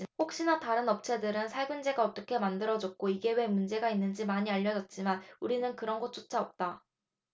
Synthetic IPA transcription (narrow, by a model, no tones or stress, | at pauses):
hok̚ɕ͈inataɾɯnʌp̚t͡ɕʰe̞dɯɾɯnsʰaɭɡɯnd͡ʑe̞ɡaʌt͈ʌkʰe̞mandɯɾʌd͡ʑʌk̚k͈oiɡe̞we̞mund͡ʑe̞ɡainːɯnd͡ʑimaɲiaʎːʌd͡ʑʌt̚t͡ɕ͈imanuɾinɯnkɯɾʌnɡʌt̚t͡ɕ͈ot͡ɕ͈ʰaʌp̚t͈a